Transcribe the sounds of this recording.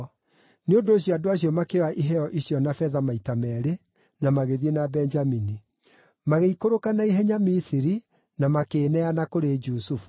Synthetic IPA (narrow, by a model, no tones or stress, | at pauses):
neondoːɕ̬jɔadoaɕ̬jɔmakewaʔiɦɛɔʔiɕjɔnafɛðamaitamɛɾe | namaɣeðienabɛɲd͡ʒamini | maɣeikoɾokanaiɦɛɲamisiɾi | namakeːnɛanakoɾed͡ʒusufu̥